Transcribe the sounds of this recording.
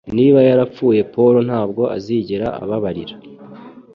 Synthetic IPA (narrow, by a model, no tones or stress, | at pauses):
niːβajaɾap͡fuːje̞po̞ɾo̞n̥haːbɡo̞ʔa̰ziːɟeɾaa̰βaβaɾiɾḁ